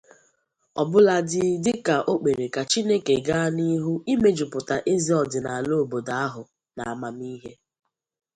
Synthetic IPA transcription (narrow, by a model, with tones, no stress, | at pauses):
ɔ̰˨bʊ˦la˦dɪ˦dɪ˦ka˨ʔo˦k͡pe˨ɾe˨ka˨t͡ʃi˦ne˦ke˨ɡa˦ni˦ɦu˦i˦me˦d͡ʒʊ˨pʊ˨ta˨ʔe˦zi˨˦ɔ˨dɪ˨na˨a˨lo˦˨bo˨da˨a˦ɦʊ˨ | na˨a˨ma˨m˦i˦ɦe˦